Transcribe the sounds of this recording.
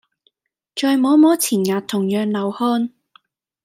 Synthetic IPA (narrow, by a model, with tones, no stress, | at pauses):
t͡ʃɔː˨˧jmɔː˨˥mɔː˨˥t͡sʰiː˨˩njaː˨tt̪ʰʊ˨˩ŋjœː˨ŋlɐ˨˩whɔː˧n